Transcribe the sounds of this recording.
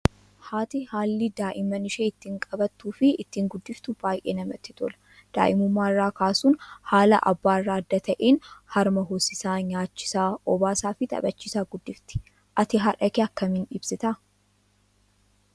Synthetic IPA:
haːt̪ɪhaːlːɪd̪aːʔɪmɐnɪʃeːɪt̪ːiŋkʼɐbɐt̪ːuːfɪːt̪ːiːŋɡʊd̪ːɪft̪ʊb̥aːjʔḛːnɐmɐt̪ːɪ̥t̪ʰɔlɐ̥ | d̪̥a̰ːʔɪmʊmːaːɪrːaːkaːsuːnhaːlɐ̰ʔɐ̰bːaːɪrːaːɐd̪ːɐt̪ʰɐʔeːnhɐɾmɐɦoːsɪsaːɲaːt͡ʃːɪ̥saːɔbaːsaːfɪt̪ʼɐ̰bɐt͡ʃːiːsaːɡʊd̪ːɪft̪ɪ̥ | ʔɐt̪ɪɦɐᶑɐkeɐkːɐmɪnɪbsɪt̪ɐ

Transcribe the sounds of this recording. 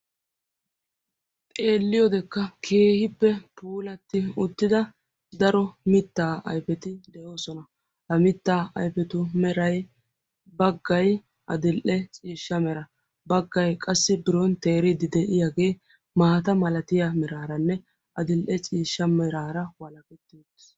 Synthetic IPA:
t̪ʼe̞ːlːɪjɔd̪ɛkːɐkʰe̞ːhɪpːɛpuːlɐt̪ːɪʊt̪ːɪd̪ɐ | d̪ɐɾɔmɪt̪ːaːɐ̰jpɛt̪ɪd̪ɛjo̞ːsɔnɐ | hɐmɪt̪ːaːɐ̰jpɛt̪ʊmɛɾɐj | bɐɡːɐj | ɐ̰d̪ɪlʔɛt͡sʼiːʃːɐmɛɾɐ | bɐɡːɐjkʼɐsːɪbɪɾɔnt̪e̞ːɾɪd̪ɪd̪ɛʔɪjaɡe̞ː | maːt̪ɐmɐlɐt̪ɪjamɛɾaːɾɐnːɛ | ɐd̪ɪlʔɛt͡sʼiːʃːɐmɛɾaːɾɐwɐlɐkɛt̪ːid̪ɛs

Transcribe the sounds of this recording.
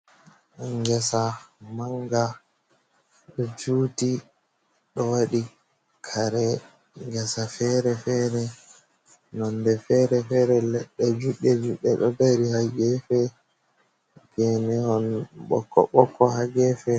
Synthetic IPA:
ŋɡɛsamaŋɡa | ɗɔd͡ʒuːti | ɗɔwaɗi | kʰaɾɛ | ŋɡɛsafɛɾɛfɛɾɛ | nɔndɛfɛɾɛfɛɾɛlɛɗːɛd͡ʒuɗɛd͡ʒuɗːɛɗɔbaɾihaɡɛfɛ | ɡɛnɛhɔnɓɔ̰kːɔ̰ɓɔkːɔhaɡɛfɛ

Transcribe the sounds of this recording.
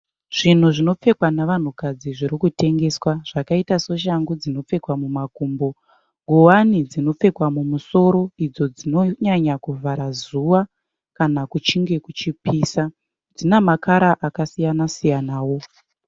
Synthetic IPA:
ʐ̥in̤uʐino̞p͡fe̞kwanaʋan̤ukad͡ziʐiɾikute̞ŋɡe̞swaʐ̥akaitaso̞ʃ̬aŋɡud͡zino̞p͡fe̞kwamumakuːmbo̞ | ɡʱowanid͡zino̞p͡fe̞kwamumuso̞ɾo̞id͡zo̞d͡zino̞ɲaɲakuvʱaɾazuʋa | kanakut͡ʃiŋɡe̞kut͡ʃipiːsa | d͡zinamakaɾaʔakasijanasijanaːwo̞

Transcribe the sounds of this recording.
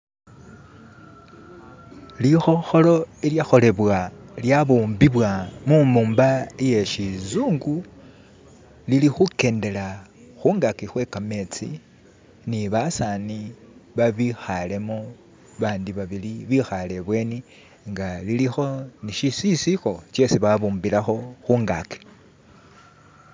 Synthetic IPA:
lixo̞xo̞lo̞iljaxo̞le̞βwaljaβuːmbiβwamumuːmbaje̞ʃizuːŋɡu | lilixuke̞ːnde̞la | xuːŋɡakixwe̞kame̞t͡sḭ | niβasaniβaβixale̞mo | βaːndiβaβiliβixale̞βwe̞ːni | ŋɡalilixo̞niʃisisixo̞t͡ʃe̞siβaβuːmbilaxo̞xuːŋɡa̰ki̥

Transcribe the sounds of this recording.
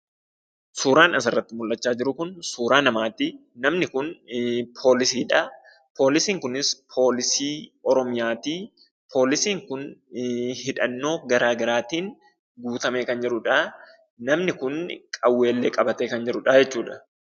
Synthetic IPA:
suːɾaːnɐsɐrːɐt̪ːɪmʊlːɐt͡ʃːaːd͡ʒɪɾʊkʊnsuːɾaːnɐmaːt̪i | nɐmnɪkʊnpʰo̞ːlɪsiːᶑɐ | pʰo̞ːlɪsiːŋkʊnɪspʰo̞ːlɪsiːɔɾɔmɪjaːt̪iː | pʰo̞ːlɪsiːŋkʊn | hɪᶑɐnːo̞ːɡɐɾaːɡɐɾaːt̪iːn | ɡuːt̪ɐmeːkɐnd͡ʒɛɾʊᶑa | nɐmnɪkʊnkʼɐwːe̞ːlːeːkʼɐbɐt̪eːkɐnd͡ʒɛɾʊᶑɐd͡ʒɛt͡ʃːuːᶑɐ̥

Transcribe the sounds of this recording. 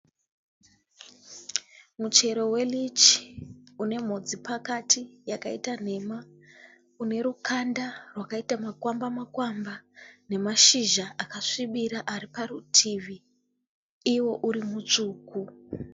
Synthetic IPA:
mut͡ʃe̞ɾo̞we̞lit͡ʃiune̞m̤o̞d͡zipʰakatʰijakaḭtan̤e̞ma | une̞ɾukʰandarwakaitamakwambamakwambane̞maʃiʒaʔakaʂiɓiɾaʔaɾiparutʰiːʋiː | wo̞ʔuɾimut͡ʂuːku

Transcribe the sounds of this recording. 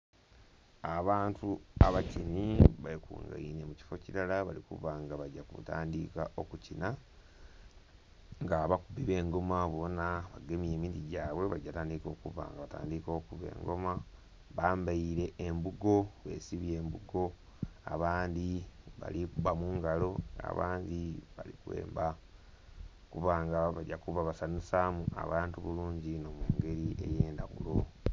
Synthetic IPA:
aβaːntʰuaβaciniβaekṵːŋɡa̰ḭne̞muci̥fo̞ciɾalaβalikṵvaŋɡaβaɟakṵta̰ːndikaʔo̞kucina | ŋɡaβakubiβe̞ːŋɡo̞maβo̞naβaɡemje̞ːmiːndiɟaːwe̞βaɟːataːndiko̞kṵva̰ŋɡaβata̰ːndiko̞ːkuβe̞̰ːŋɡo̞ma | βaːmbaiɾe̞embuɡo̞βe̞̰ːsiβje̞ːmbuɡo̞ | a̰βaːndiβa̰likuβamuːŋɡalo̞a̰βa̰ːndiβa̰likwḛːmba | kuβaːŋɡaβaɟakuβaβasanisamuʔa̰βaːntuβuluːɲɟino̞muːŋɡe̞ɾie̞̰jeːnda̰ɣṵlo̞

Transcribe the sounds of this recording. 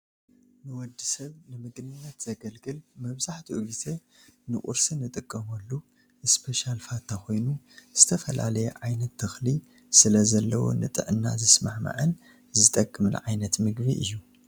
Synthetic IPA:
nɨwɔd̪ːisɐβnɨmɨɡnɨnːɐt̪z̥ɐɡɐlɡɨlmɐβzaħt̪ʰiʔuβit̪ʰe | nɨʔʼṵɾsɨnɨt̪ʼɨkʼːɐmɐlːu | ʔɨspʰeʃalfat̪ʰːaxo̞jnu | z̥ɨt̪ʰɐfɐla̰lɐjɛ̰ʕajnɐt̪ʰːɨxli | sɨlɐzɐlːɐwo̞̰nɨ̰t̪ʼɨ̰ʕɨnːa̰zɨsmaħma̰ʕɨn | zɨt̪ʼɐkʼːɨmɨnʕa̰jnɐt̪mɨɡbiʔɨ̰jːu

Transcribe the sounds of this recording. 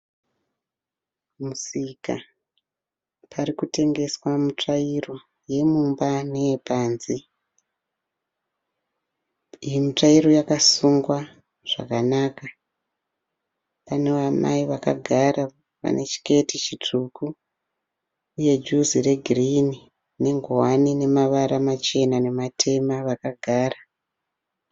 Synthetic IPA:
musika̰ | parikute̞ŋɡe̞swamut͡ʂairo̞ | je̞mumbanejepaːnzi | ijimut͡ʂairo̞jakasuŋɡwa | ʐ̥a̰kanaːka | pane̞ʋama̰iʋaka̰ɡʱaɾa | ʋa̰nʔe̞t͡ʃi̥ke̞tit͡ʃit͡ʂʰuku | je̞d͡ʒuzire̞ɡʱirini | ne̞ŋɡowanine̞maʋaɾamat͡ʃe̞nane̞matʰe̞maʋakaɡʱaːra

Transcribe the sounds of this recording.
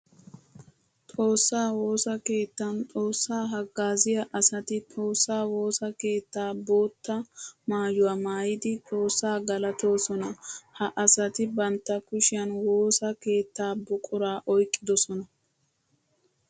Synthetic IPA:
t̪ʼo̞ːsːaːwo̞ːsɐke̞ːt̪ːɐnt̪ʼo̞ːsːaːɦɐɡːaːzɪjɐʔɐsɐt̪ɪt̪ʼo̞ːsːaːwo̞ːsɐke̞ːt̪ːaːbo̞ːt̪ːɐmaːjʊwaːmaːjɪd̪ɪt̪ʼo̞ːsːaːɡɐlɐt̪o̞ːsɔnɐhɐʔɐsɐt̪ɪbɐnt̪ːɐkʊʃɪjɐnwoːsɐke̞ːt̪ːaːbʊkʼʊɾaːʔɔjkʼːɪd̪ɔsɔnɐ

